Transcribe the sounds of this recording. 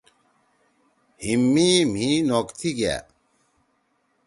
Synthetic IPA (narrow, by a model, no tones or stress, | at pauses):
himːim̤ĩnoːkt̪ʰiɡja̰